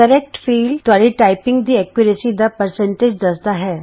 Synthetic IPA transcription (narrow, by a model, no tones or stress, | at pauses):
kəɾek̚ʈfiːlt̪ʋaɭiːʈajpiŋɡd̪iːɛkjuɾesid̪apəɾseɳʈed͡ʑd̪əsd̪aɦɛ